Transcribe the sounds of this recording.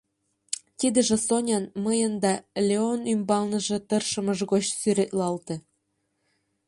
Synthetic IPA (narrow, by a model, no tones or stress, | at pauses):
t̪id̪ə̆ʒĕsonʲɑnməjənd̪ɑlʲeonymbɑlnə̆ʒĕt̪ərʃə̆məʒɣot͡ɕsyɾet̪̚lɑlt̪ĕ